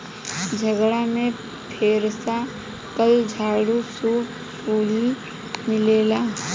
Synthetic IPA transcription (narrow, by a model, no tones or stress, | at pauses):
d͡ʒʱəɡɽamẽ | pʰeːɾsa | kəld͡ʒʱaːɽusuːp | puːli | mɪleːlaː